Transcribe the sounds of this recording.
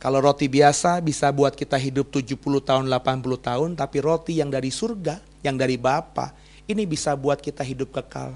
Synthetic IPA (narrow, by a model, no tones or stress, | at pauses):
kaloɾot̪ibiasabisabuat̪̚kit̪aɦidʊp̚t̪ud͡ʒupuluht̪aʊnlapanpulut̪aɦʊnt̪apiɾot̪ijaŋdaɾisurɡa | jaŋdaɾibapa̰ | inibisabuat̪̚kit̪aɦidʊp̚kəka̰l